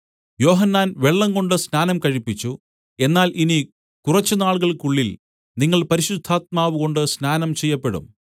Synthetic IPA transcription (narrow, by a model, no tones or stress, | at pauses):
jo̞ːɦɐnːaːnʋe̞ɭːɐŋɡo̞ɳɖɨsnaːnɐmkɐɻipːit͡ɕːu | e̞nːaːlʔini | kurɐt͡ɕːunaːɭɣɐɭkuɭːil | niŋːɐɭpɐɾiɕud̪ʱːaːt̪̚maːʋuɣo̞ɳɖɨsnaːnɐmt͡ɕe̞jːɐpːe̞ɽṵm